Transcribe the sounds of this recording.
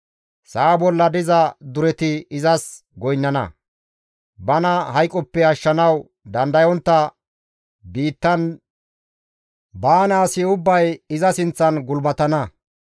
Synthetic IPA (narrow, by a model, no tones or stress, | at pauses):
saːbɔlːɐd̪ɪzɐd̪ʊɾɛt̪ɪɪzɐs | ɡɔjnːɐnɐ̰ | bɐnɐhɐjkʼːɔpːɛɐʃːɐnɐw | d̪ɐnd̪ɐjɔnt̪ːɐ | biːt̪ːɐn | baːnaːsɪʊbːɐjɪzɐsɪnt͡sːɐnɡʊlbɐt̪ɐnɐ